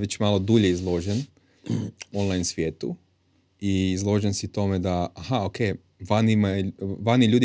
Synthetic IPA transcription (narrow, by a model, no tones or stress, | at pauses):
ʋet͡ɕmalˠo̞d̪uʎeizlˠo̞ʒen | onlˠajnsʋjeːt̪u | iːzlˠo̞ʒensit̪o̞med̪aahaokʰe | ʋanimaʋaniʎuːd̪i